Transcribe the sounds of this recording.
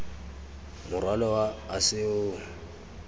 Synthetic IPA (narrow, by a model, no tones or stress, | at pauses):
mʊrwalɔwaːsɪʊːŋ̩